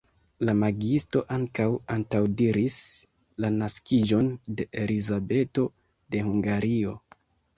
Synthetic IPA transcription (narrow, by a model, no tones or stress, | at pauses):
lamaɡisto̞ʔaŋkawaŋtawdiɾis | lanaskid͡ʒo̞nde̞ʔelizabe̞to̞ | de̞huŋɡaɾio̞